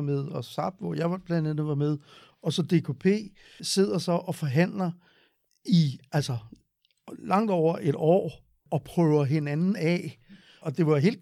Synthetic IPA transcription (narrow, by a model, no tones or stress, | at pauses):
meðˠɒ̽sɑ̈b̥ʋɒjɑ̈ʋɑ̈pʰlɛnen̩ʋɑ̈með̞ˠ | ɒ̽sɒ̽d̥e̝kʰo̝pʰe̝̰ː | se̝ð̞̰ˠɐsɒ̽ʔɒ̽fɒ̽ɦæn̰lɐ | iʔælsɐ | lɑ̈ŋ̰d̥ɒʊ̰ɐʔe̝d̥ɒ̰ː | ɒ̽pʰʁœʊɐɦe̝nænn̩ɛ | ɒ̽d̥e̝ʋɑ̈ɦe̝̰ld̥